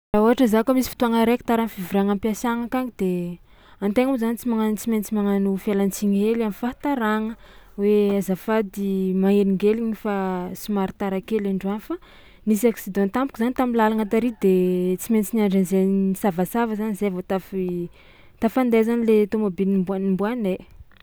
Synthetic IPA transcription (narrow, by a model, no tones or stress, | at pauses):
raoɦaʈ͡ʂəzakomisifi̥t̪uaŋəɾeki̥t̪aɾanfivuɾaŋampiasaŋakaŋid̪e | ant̪eŋuzanit͡simaŋant͡siment͡simaŋanufelant͡siɲelamifat̪aɾaŋə | weazafad̪imaeliŋɡeliɲifasimaɾit̪aɾakelaɳɖ͡ʐuanfa | nisaksid̪ɔ̃nt̪ampukizanit̪amilalaŋat̪aɾid̪et͡siment͡sinaɳɖ͡ʐanzenisavasavəzanizevot̪afi | t̪afand̪ezanilet̪omabinimbuanimbuane